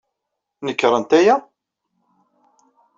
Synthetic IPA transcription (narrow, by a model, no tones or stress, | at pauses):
nəkːɾˤənt̪æjæ